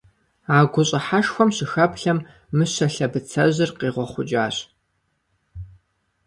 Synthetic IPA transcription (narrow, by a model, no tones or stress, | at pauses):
aːɡʷʊɕʼɪħaʃxʷɔmɕɪxɐpɬɐmː | ɨɕɐɬɐbɨt͡sʰɐʑɪrqiːʁʷɔχʷʊt͡ʃʼaːɕ